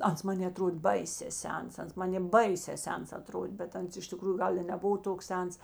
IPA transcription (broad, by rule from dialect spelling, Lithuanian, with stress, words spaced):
ˈɐns ˈmɑːnʲeː ɐˈtroːtʲ ˈbɐɪsʲeː ˈsʲɛns ˈɐns ˈmɑːnʲeː ˈbɐɪsʲɛː ˈsʲɛns ɐˈtroːdʲeː bʲɛt ˈɐns ɪʃ tʲɪˈkruːjʊ ˈɡɐlˠ ɪ nʲɛˈbʊʋoː ˈtoːks ˈsʲɛns